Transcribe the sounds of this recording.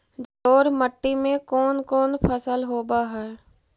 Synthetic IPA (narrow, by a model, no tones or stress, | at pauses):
d͡ʒoːɾməʈːimẽkɔːnkɔːnpʰəsəlɦoːbaɦɛː